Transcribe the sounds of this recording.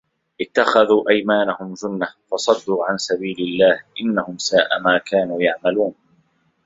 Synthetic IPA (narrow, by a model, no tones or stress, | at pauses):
ʔɪt̪ːaxaðuːʔajmaːnahʊmd͡ʒʊnːafɑsˤɑd̪ːuːʕansabiːlɪlːaːhʔɪnːahʊmsaːʔa̰maːkaːnuːjaʕmaluːn